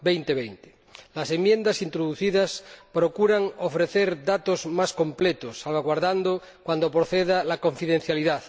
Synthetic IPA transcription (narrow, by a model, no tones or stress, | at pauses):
bejnt̪eβejnt̪e̥ | lase̞mje̞nd̪asint̪ɾoðuθiðaspɾokuɾaŋofɾeθeɾðat̪ozmaskomplet̪osːalβaɣwaɾðand̪o | kwand̪opɾoθeðalako̞ɱfiðen̟θjaliðaθ